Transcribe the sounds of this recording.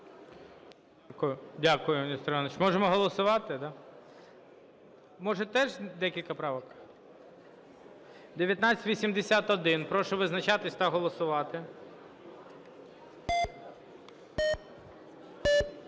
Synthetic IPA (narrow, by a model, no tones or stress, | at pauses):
kʊjʊdʲakʊjʊnʲist̪ɾɑnet͡ʃmɔʒemɔɦɔlˠɔsʊʋɑt̪ɪd̪ɑ | mɔʒɛt̪ɛʒd̪ɛkʲilʲkɐpɾɑʋɔk | d̪eʋjɐt̪nat͡sʲɪ̥tʲʋʲisʲimd̪esʲat̪ɔd̪ɪnpɾɔʃɔʋɪznɐt͡ʃɑt̪ɪsʲt̪ɐɦɔlˠɔsʊʋɑt̪ɪ